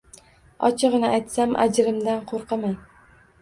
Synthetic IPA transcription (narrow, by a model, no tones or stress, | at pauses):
ɒt͡ʃʰɨʁnɪajt̪samʔa̰d͡ʒɾɪmd̪anqʰoɾqɨman